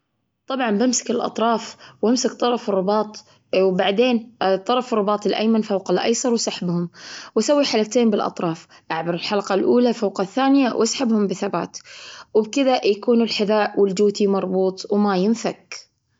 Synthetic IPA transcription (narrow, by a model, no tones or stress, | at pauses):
t̪ˤɑbʕɑmbɪmsɪ̥kɪlʔɑ̰t̪ˤɾˤɑːfwamsɪkt̪ˤːɑɾˤɑfɨrˤːɪbɑːt̪ˤ | wbaʕd̪eːnt̪ˤːɑɾˤɑfrˤːɑbɑːt̪ˤɪlʔa̰jmanfawqɪlʔa̰jsˤɑɾˤwsaħbhʊmwʔasawːiħalakt̪eːmbɪlʔɑ̰t̪ˤɾˤɑːf | ʔaʕbɪɾˤɪlħalqɑlʔuːlafawqɑθːaːnɪjawʔasħabhʊmbɪθaba̰ːt̪wɪbkɪðajakuːnɪlħɪðaːʔwɪld͡ʒuːt̪imɑɾˤbuːt̪ˤwmajɪnfak